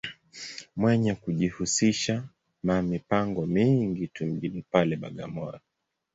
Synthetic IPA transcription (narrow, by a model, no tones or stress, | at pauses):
mwɛɲakuʄihusiʃa | mamipaŋɡɔmiŋɡitum̩ʄinipalɛɓa̰ɠa̰mɔɾɔ